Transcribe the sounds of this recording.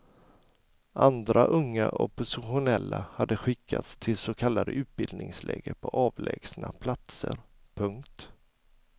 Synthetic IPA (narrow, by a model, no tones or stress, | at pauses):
ʔand̪ɾaʔɵŋːaʔɔpʊsɪɧʊnɛlːahad̪ːəɧɪkʰːat̪st̪ʰɪlsokʰalːad̪əʔʉ̟ːt̪̚bɪld̪nɪŋslɛ̰ːɡəɾpʰɔʔɑːvlɛːɡsnapʰlat̪səɾ | pʰɵŋkt̪